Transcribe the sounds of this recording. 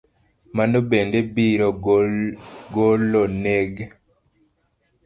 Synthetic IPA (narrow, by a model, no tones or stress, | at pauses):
manobendebiɾɔ | ɡolɔneɡ